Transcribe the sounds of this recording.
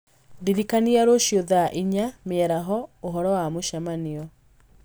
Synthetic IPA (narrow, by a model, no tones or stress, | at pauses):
diɾikaniaɾoʃjɔðaʔiɲameɛɾaɦɔoɦɔɾɔwamoʃamaniɔ